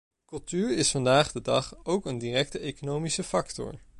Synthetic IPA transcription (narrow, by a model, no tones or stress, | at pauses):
kɵlˠtyːɹɪsfɑndaːχdədɑχowkəndiːrɛktəejkonowmisəfɑktɔ̰ɹ